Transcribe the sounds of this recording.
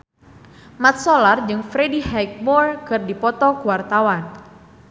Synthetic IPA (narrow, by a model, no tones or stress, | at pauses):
mat̪̚sɔlard͡ʒɨŋfɾedihajk̚mɔrkɨrdipɔt̪ɔkuwart̪awan